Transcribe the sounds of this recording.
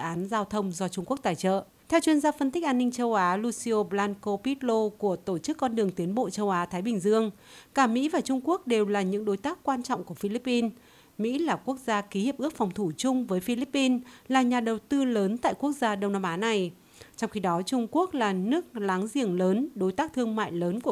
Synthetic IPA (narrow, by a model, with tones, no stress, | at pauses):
sɨ̰˧˨ʔaː˨˦nzaː˧wt̪ʰə˧wŋ͡mzɔ˧t͡ɕʊ˧ŋ͡mku˦˥ək̚t̪a̰ː˧˨jt͡ɕə̰ː˧˨ | t̪ʰɛ˧wt͡ɕwi˧ənzaː˧fə˧nt̪ï̟˦˥ʔaː˧nːï˧ŋ̟t͡ɕə˧wʔaː˨˦lu˧si˧o˧ɓlaː˧nko˧pi˦˥t̚lo˧ku˧˩ət̪o˧˩t͡ɕɨ˦˥kːɔ˧nɗɨ˨˩əŋt̪i˨˦ənɓo̰˧˨t͡ɕə˧wʔaː˨˦t̪ʰaː˨˦jɓï˨˩ŋ̟zɨ˧əŋ | kaː˧˩mḭ˧˥vaː˨˩t͡ɕʊ˧ŋ͡mku˦˥ək̚ɗe˨˩wlaː˨˩ɲɨ̰˧˥ŋɗo˨˦jt̪aː˦˥kːwaː˧nt͡ɕɔ̰˧˨wŋ͡mku˧˩əfi˧li˦˥pːi˧n | mḭ˧˥laː˨˩ku˦˥ək̚zaː˧ki˨˦hi˨˩əp̚ɨ˦˥ək̚fɔ˨˩wŋ͡mt̪ʰu˧˩t͡ɕʊ˧ŋ͡mvəː˨˦jfi˧li˦˥pːi˧nlaː˨˩ɲaː˨˩ɗə˨˩wt̪ɨ˧ləː˨˦nt̪a̰ː˧˨jku˦˥ək̚zaː˧ɗə˧wŋ͡mnaː˧mʔaː˨˦na˨˩j | t͡ɕɔ˧wŋ͡mxi˧ɗɔ˨˦t͡ɕʊ˧ŋ͡mku˦˥ək̚laː˨˩nɨ˦˥ək̚laː˨˦ŋzḭ˧˩ənləː˨˦nɗo˨˦jt̪aː˦˥k̚t̪ʰɨ˧əŋma̰ː˧˨jləː˨˦nku˧˩ə